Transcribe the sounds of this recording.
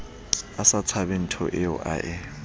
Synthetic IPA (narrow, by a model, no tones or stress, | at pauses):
asat͡sʰabɛn̩tʰɔ̰ʔɪʊ̰ʔa̰ʔɛ